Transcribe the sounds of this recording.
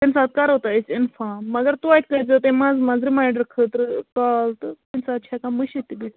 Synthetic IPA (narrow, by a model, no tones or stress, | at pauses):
t̪ensat̪̚kaɾɦot̪aisinfamːɐɡəɾt̪uait̪kəd͡zət̪emad͡zmad͡zɾimajɖəɾkʰət̪ɾkalt̪t̪ensat̪̚t͡ʃʰakamuɕit̪ibiʈ